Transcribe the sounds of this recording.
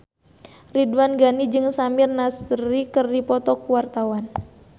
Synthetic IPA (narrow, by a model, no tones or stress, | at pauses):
ridwanɡanid͡ʒɨŋsamirnasrikɨrdipɔt̪ɔkuwart̪awan